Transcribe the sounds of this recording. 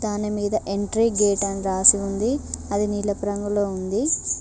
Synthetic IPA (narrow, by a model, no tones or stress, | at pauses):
d̪aːnimiːd̪ɐʔeɳʈɾiːɡeːʈɐnɾaːsiund̪iɐd̪iniːlɐpuɾɐŋɡulo̞ːund̪i